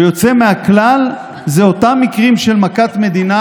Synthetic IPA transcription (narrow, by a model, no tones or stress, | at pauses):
jo̞t͡se̞meaklal | zeo̞tamːikʁimʃe̞lmakat̪me̞d̪ina